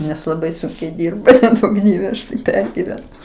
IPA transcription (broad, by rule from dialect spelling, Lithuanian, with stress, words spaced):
nʲɛs lˠɐˈbɐɪ ˈsʊŋʲkʲɛɪ ˈdʲɪrbɐ nʲɛˈduɔk ˈdʲiɛʋʲɛ ˈɐʃ tɐɪ ˈpʲɛrʲɡʲɪʋʲɛnʊ